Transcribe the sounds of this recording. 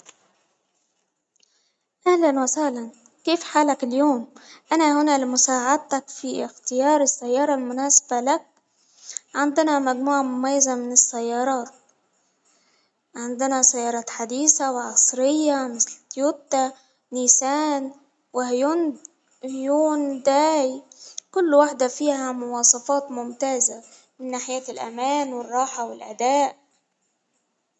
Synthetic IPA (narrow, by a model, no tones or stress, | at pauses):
ʔæhlænwasæhlæn | keːfħaːlækɪljoːmʔanæhʊnælɪmʊsaːʕad̪̚t̪ækfixt̪ɪjɑːɾˤɪsːæjːɑːɾˤɑlmʊnaːsḁbalæk̚ | ʕend̪ɪnæmæɡmuːʕamʊmæjːazamɪnɪsːæjːɑːɾˤɑːt̪̚ | ʕɪnd̪ɪnasajːɑːɾˤɑːt̪ħad̪iːsawʕɑsˤɾɪjːamɪslt̪juːtt̪a | niːsaːn | wɪhjuːn | hjuːnd̪æːjkʊlːwaħd̪afiːɦamʊwɑːsˤɑfɑːt̪mʊmt̪aːza | mɪnːaːħɪjaːtɪlʔæ̰maːnwɪrˤːɑːħawɪlʔa̰d̪aːʔ